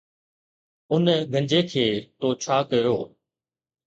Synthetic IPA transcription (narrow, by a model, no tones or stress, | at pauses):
ʊnɡʱə̃ɲd͡ʑekʰeːt̪oːt͡ɕʰaːkɐjoː